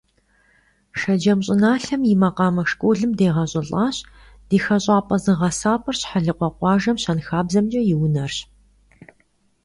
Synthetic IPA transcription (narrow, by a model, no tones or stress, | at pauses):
ʃɐd͡ʒɐmɕʼɪnaːɬɐmjɪmɐqɑːmɐʂkʷʼuːɮɨmdeːʁɐɕʼɐɬʼɑːɕ | d̥iːxɐɕʼɑːpʼɐzɨʁɐsaːpʼɐrɕħaɮɨqʷɔqʷɑːʒɐmɕɐnxaːbzɐmt͡ʃʼɐjɪwnɐrɕ